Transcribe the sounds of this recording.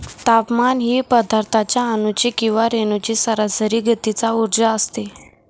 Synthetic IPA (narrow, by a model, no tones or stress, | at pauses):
t̪apmanɦiːpəd̪ʱaɾt̪ʰat͡ɕjaːnut͡ɕikĩw̃ʋaɾenut͡ɕisəɾəsəɾiːɡʱət̪it͡sauɾd͡ʑaəst̪e